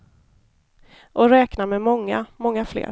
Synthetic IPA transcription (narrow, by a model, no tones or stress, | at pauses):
ʔɔɾɛːknamɛmɔŋːa̰mɔŋːaflḛːɾ